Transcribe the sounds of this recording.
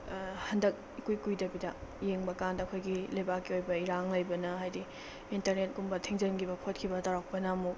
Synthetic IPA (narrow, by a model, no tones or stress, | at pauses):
hɐndɐk̚ | ikujkujdɐbidɐjeŋbɐkandɐɐkʰojɡilɐjbakːiojbɐiɾaŋlɐjbɐnɐɦajdi | intɐɾnet̚ɡumbɐtʰiŋzɐnɡibɐpʰot̚kʰibɐtaɾak̚pɐnɐmuk̚